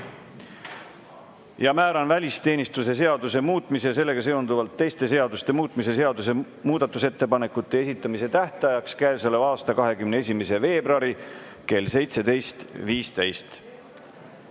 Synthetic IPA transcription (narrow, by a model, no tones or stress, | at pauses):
jɑmæːɾɑnvælʲist̪e̞ːnʲist̪use̞s̬e̞ɑd̪use̞muːt̪ːˑmiseɑs̬e̞lːe̞ɡ̥ɑseo̞nd̪uvɑlt̪ːe̞jst̪e̞s̬e̞ɑd̪ust̪e̞muːt̪ˑmise̞se̞ɑd̪us̬e̞ | muːd̪̥ɑt̪ːˑuse̞t̪ːe̞pɑne̞kːˑut̪ːe̞esit̪ːˑɑmise̞t̪æht̪ɑjɑkskæevsɑleɑːst̪ɑkɑɦe̞kymnee̞s̬ʲime̞se̞ve̞ːbɾoɑɾi | ke̞lse̞jt̪se̞d̪e̞jst̪viːst̪ejst̪